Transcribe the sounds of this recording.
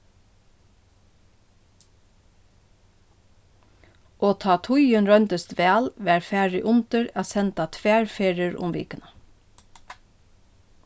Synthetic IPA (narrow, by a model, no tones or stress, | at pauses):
oːt̪ʰɑːt̪ʰʊjənɹœnt̪əst̪ʋæːlʋæːɹfæːɹɪʔʊnt̪əɹæːsɛnt̪at̪ʰʋæːɹfeːɹəɹʊ̰mʋḭːkənə